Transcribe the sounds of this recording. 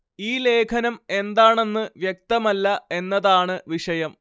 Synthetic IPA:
iːle̞ːkʰɐnɐme̞nd̪aːɳe̞nːɨʋjek̚t̪ɐmɐlːɐe̞nːɐðaːɳɨʋiʂɐjɐm

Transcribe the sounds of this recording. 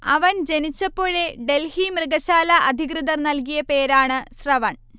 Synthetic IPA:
ɐʋɐnd͡ʑe̞nit͡ɕːɐpːo̞ːɻeɖe̞lhimrɨɡɐɕaːlɐʔɐd̪ʱikrɨðɐrnɐlkijɐpe̞ːɾaːɳɨsrɐʋɐɳ

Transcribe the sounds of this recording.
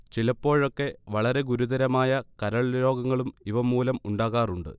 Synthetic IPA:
t͡ɕilɐpːo̞ːɻo̞kːe̞ʋɐɭɐɾe̞ɡuɾuðɐɾɐmaːjɐkɐɾɐɭɾo̞ːɡɐŋːɐɭumiʋɐmːuːlɐmuɳɖaːɣaːruɳɖɨ̰

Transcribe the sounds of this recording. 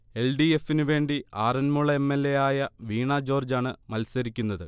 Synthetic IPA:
e̞lɖie̞finuʋe̞ːɳɖiaːrɐnmuɭɐemːe̞lːe̞jaːjɐʋiːɳɐd͡ʑo̞ːrd͡ʑaːɳɨmɐlsɐɾikʲːunːɐðɨ

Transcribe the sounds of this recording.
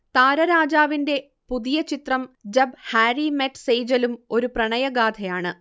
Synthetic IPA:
t̪aːɾɐɾaːd͡ʑaːʋinde̞ | puðijɐt͡ɕit̪rɐmd͡ʑɐbhaːɾimeʈsejd͡ʑɐlumo̞ɾuprɐɳɐjɐɡaːd̪ʰɐjaːɳɨ

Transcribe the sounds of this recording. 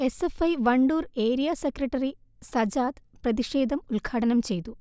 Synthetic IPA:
esefɐjʋɐɳɖuːɾe̞ːɾijasekrɐʈːɐɾisɐd͡ʑaːt̪prɐðiʂeːd̪ʱɐmulɡʰʱaːʈɐnɐmt͡ɕe̞jt̪u

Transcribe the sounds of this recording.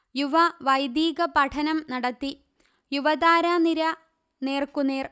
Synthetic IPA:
juʋɐʋɐjd̪iːɡɐpɐʈʰɐnɐmnɐɽɐt̪ːi | juʋɐd̪aːɾaːniɾɐ | ne̞ːrkuneːr

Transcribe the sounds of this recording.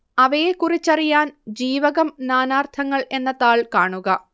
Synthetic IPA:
ɐʋɐjekurit͡ɕːɐrijaːnd͡ʑiːʋɐɣɐmnaːnaːrt̪ʰɐŋːɐɭe̞nːɐðaːɭkaːɳuɣɐ

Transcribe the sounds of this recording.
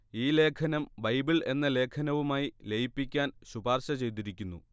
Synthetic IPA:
iːle̞ːkʰɐnɐmbɐjbiɭe̞nːɐle̞ːkʰɐnɐʋumaːjilejipːikʲːaːnɕubaːrɕɐt͡ɕe̞jt̪̬iɾikʲːunːu

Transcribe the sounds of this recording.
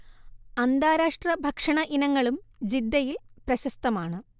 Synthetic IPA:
ɐnd̪aːɾaːʂʈrɐbʱɐkʂɐɳɐʔinɐŋːɐɭumd͡ʑid̪ːɐjilprɐɕɐst̪ɐmaːɳɨ

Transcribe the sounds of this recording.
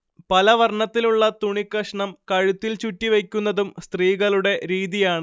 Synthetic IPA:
pɐlɐʋɐrɳɐt̪ːiluɭːɐt̪uɳikːɐʂɐɳɐmkɐɻut̪ːilt͡ɕutːiʋekʲːunːɐðumst̪riːɣɐɭuɽe̞ɾiːðijaːɳɨ

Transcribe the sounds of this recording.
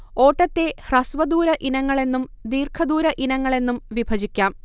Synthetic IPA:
o̞ːʈːɐt̪ːe̞hrɐsʋɐd̪uːɾɐʔinɐŋːɐɭe̞nːumd̪iːrkʰɐd̪uːɾɐʔinɐŋːɐɭe̞nːumʋibʱɐd͡ʑikʲːaːm

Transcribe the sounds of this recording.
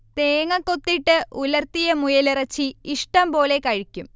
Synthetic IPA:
t̪eːŋɐkːot̪ːiʈːɨulɐrt̪ijɐmujɐlirɐt͡ɕːiiʂʈɐmpo̞ːle̞kɐɻikʲːum

